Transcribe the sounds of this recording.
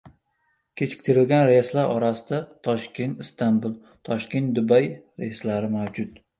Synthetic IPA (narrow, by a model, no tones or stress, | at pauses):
kʲʰe̞t͡ʃʰɪ̥kʲt̪ʰɪɾɪlɡʲanɾeslaɾɒɾasɪd̪at̪ʰɒʃkʲe̞nt̪ɪst̪ʰambʊlˠ | t̪ʰɒʃkʲe̞nt̪̚d̪ʊbajɾeslaɾɪmawd͡ʒʊt̪